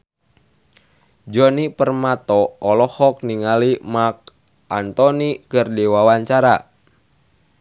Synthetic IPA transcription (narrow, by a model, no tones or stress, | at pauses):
d͡ʒɔnipərmat̪ɔɔlɔhɔk̚niŋalimak̚ | ʔant̪ɔnikɨrdiwawaɲt͡ʃaɾa